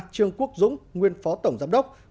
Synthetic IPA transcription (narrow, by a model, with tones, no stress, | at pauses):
t͡ɕɨ˧əŋku˦˥ək̚zʊ̰˧˥ŋ͡mŋwi˧ənfɔ˨˦t̪ə˧˩wŋ͡mzaː˨˧˦mɗə˦˥k͡p̚